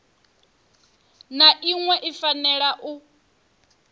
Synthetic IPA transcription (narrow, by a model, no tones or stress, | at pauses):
naʔiŋwɛʔifanɛɺaʔu